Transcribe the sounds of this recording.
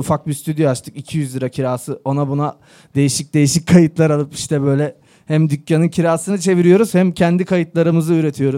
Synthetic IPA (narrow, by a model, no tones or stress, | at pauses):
ufak̚bist̪ʰyd̪joat͡ʃt̪ʰɯ̥kicʰijyzlʲˠiɾacʰiɾaːsɯo̞nabuna | d̪e̞jiʃic̚d̪e̞jiʃic̚kʰajɯt̪lˠaɾalˠɯpi̥ʃt̪ʰɛbø̞jlʲɛ | hæmd̪ycʲjanɯncʰiɾaːsɯnɯt͡ʃʰe̞viɾijo̞ɾuz̥hæmcʰɛnd̪ikʰajɯt̪lˠaɾɯmɯzɯyɾet̪ʰijo̞ɾuz